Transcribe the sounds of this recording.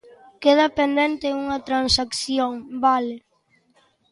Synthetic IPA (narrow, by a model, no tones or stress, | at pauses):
keðɐpend̪ent̪euŋɐt̪ɾansakθjoŋbale